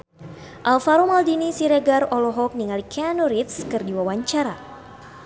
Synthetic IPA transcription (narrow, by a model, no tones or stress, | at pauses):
ʔalfaɾomaldinisiɾeɡarɔlɔɦɔk̚niŋalikʰɛanuɾit̪skɨrdiwawaɲt͡ʃaɾa̰